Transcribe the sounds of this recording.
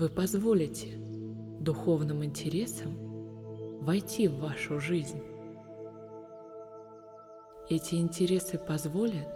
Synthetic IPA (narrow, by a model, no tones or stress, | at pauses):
vɨpɐzvo̞lʲɪtʲɪ | d̪ʊxo̞vnɨmɪnʲtʲɪɾʲe̞səm | vɐjtʲivːaʂʊʐɨzʲnʲ | ɛtʲɪɪnʲtʲɪɾʲe̞sɨpɐzvo̞lʲət̪